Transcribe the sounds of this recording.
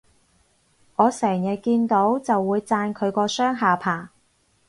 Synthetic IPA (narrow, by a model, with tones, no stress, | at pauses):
ŋɔː˨˧sɛː˨˩ŋjɐ˨t̚kiː˧nt̪o˨˥wt͡sɐ˨wːuː˨˧jt͡saː˧nkʰɵ˨˧ɥkɔː˧sœː˥ŋɦaː˨pʰaː˨˩